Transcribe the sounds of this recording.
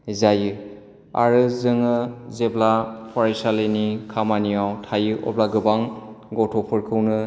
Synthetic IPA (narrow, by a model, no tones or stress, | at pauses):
zajɯ | a̰ɾɯzɯŋɯzeblapʰɔɾajsalenikʰamanijawtʰajɯʔɔ̰blaɡɯbaŋɡɔtʰɔpʰɯɾkʰɯwnɯ